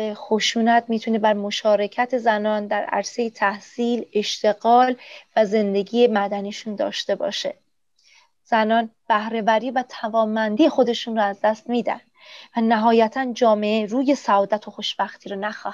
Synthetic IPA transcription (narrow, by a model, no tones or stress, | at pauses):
exo̞ʃuːnæt̪ʰmiːt̪ʰune̞bæɾmo̞ʃɒːɾe̞cʰæt̪ʰe̞zænɒːnd̪æɾæ̰ɾse̞jet̪ʰæhsiːle̞ʃt̪ʰe̞ɣɒːlvæze̞nd̪e̞ɡiːjemæd̪æniʃund̪ɒ̰ːʃt̪e̞bɒ̰ːʃe | z̥ænɒːnb̥æhɾe̞bæɾiːvæt̪ʰævɒːmːænd̪iːjexo̞d̪e̞ʃuːnrɒæzd̪æst̪miːd̪æ̰nd̪vænæɦɒːjæt̪ʰænd͡ʒɒːme̞ʔeɾuːje̞sæɒːd̪æt̪ʰo̞xo̞ʃb̥æxt̪ʰiːɾɔːnæxɒːh